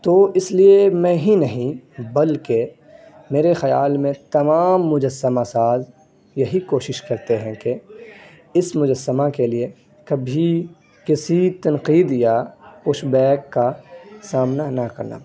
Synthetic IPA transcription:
t̪oːɪsliemɛ̃ːɦinɐɦĩbɐlke | meːɾexɐjaːlmẽt̪ɐmaːmːʊd͡ʒəsːəmasaːz | jɐɦikoːʃɪʃkɐɾt̪eɦɛ̃ke | ɪsmʊd͡ʒəsːəmakelie | kɐbʱi | kɪsit̪ɐnqiːd̪jakʊʃbɛːkːasaːmnanakɐɾna̰ː

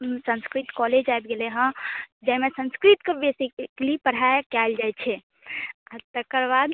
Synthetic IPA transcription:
sə̃nskɾit̪kɔled͡ʒajbɡeleɦə̃d͡ʒaɦmesə̃nskɾit̪kebesikklipəɽ̤ajkald͡ʒajt͡ʃʰɛ | aɾt̪əkəɾbad̪

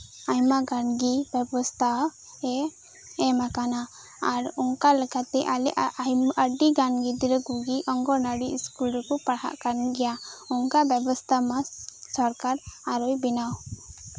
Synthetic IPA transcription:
ajmaɡanɡibɛbɔst̪ʰa | ɛ | ɛmakana | aɾuŋkalɛkat̪ɛʔalɛʔjəɖiɡanɡid̪iɾəɡuɡiʔɔŋɡɔnaɽiiskulɔkupaɽɦa̰ʔkanɡɛjauŋkabɛbɔst̪ʰamasɔɾkaɾaɾɔjbinaw

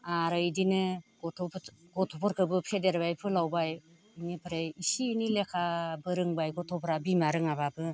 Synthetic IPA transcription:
aɾɯjdinɯɡɔtʰɔɡɔtʰɔpɔɾkʰɯbɯpʰedeɾbajpʰɯlawbaj | nipʰɯɾejisiːnilekʰabɯɾɯŋbajɡɔtʰɔpʰɾabimaɾɯŋababɯ

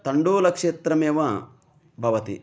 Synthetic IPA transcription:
t̪ɐɳɖoːlɐkʂeːt̪ɾɐmeːʋɐ | bʱɐʋɐt̪ḭ

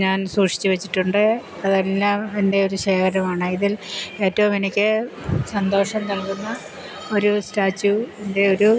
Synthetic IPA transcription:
ɲaːnsuːʈʂi̥t͡ɕːuʋet͡ɕːi̥ʈːuɳɖɨ | ɐðelːaːmende̞o̞ɾuɕeːkʰɐɾɐmaːɳɨiðile̞ːtːɐʋumenikʲːɨsɐnd̪o̞ːʂɐmt̪ɐlkunːɐ | o̞ɾustaːt͡ɕːuende̞o̞ɾu

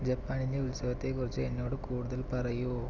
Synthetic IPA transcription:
d͡ʑɐpːaːnind̪eulsɐɣɐt̪ːeːkʊrit͡ɕːɨenːo̞ːɽɨkuːɽuðɐlpɐrɐju

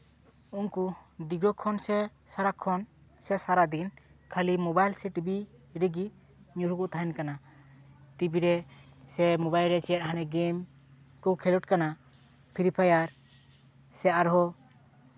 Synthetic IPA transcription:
unkud̪iɡɾɔkʰɔnsɛ | saɾakʰɔn | sɛsaɾad̪inkʰalimɔbajlsɛʈibi | ɾiɡi | ɲuɾukuʔt̪ʰaɛnkana | t̪ibiɾɛsɛmɔbajlɾɛt͡ʃɛɛt̪̚ɦanɛɡem | kɔwkʰɛlɔʈ̚kana | pʰiɾipʰajaɾ | sɛaɾɦɔ

